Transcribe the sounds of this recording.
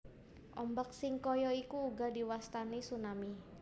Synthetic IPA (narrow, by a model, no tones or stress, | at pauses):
ʔɔmbak̚sɪŋkɔjɔikuːɡa̤diwast̪anisunami